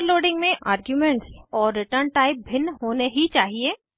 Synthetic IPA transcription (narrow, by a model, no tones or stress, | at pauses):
ɾloːɖɪ̃ŋɡmẽʔaːɾɡjumɛ̃ɳʈsɔːɾːɪʈəɾɳʈaːɪp̚bʱɪnɦoːneɦit͡ʃaːɦieː